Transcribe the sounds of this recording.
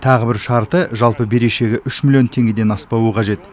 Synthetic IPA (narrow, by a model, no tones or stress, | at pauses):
t̪ʰɑʁəbɪɾʃɑɾt̪əʒɑlˠpəbe̞ɾe̞ʃe̞ɡʲɪʔʏʃmilʲˠjo̞nt̪ʰe̞ŋɡʲed̪e̞nɑspɑwəqʰɑʒe̞t̪